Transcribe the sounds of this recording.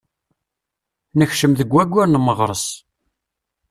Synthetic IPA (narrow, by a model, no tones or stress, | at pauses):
nəçʃəmðəɡʷːæɡʷːʊɾnməʁɾˤəs